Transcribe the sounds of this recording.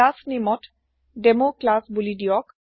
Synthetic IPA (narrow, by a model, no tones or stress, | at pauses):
asnimɔt | ɖemoklasbulidijɔk